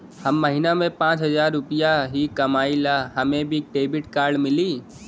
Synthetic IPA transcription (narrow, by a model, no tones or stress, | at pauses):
həmːəɦinamẽpãːt͡ʃɦəzaːɾːʊpijaɦikəmaːilaɦəmẽbʱiʈeːbɪʈkaːɾɖmɪliː